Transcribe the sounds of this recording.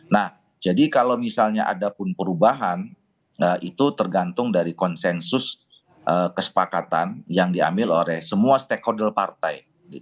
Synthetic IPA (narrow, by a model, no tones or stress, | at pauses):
nah | d͡ʒadikalawmisalɲaʔa̰dapʊnpəɾubaɦan | əit̪ut̪ərɡant̪ʊŋdaɾikɔnsɛnsʊs | ʔəkəsə̥pakat̪a̰njaŋdia̰mbɪlolɛhsəmuast̪ɛkːodɛlpart̪aj | ɡḭt̪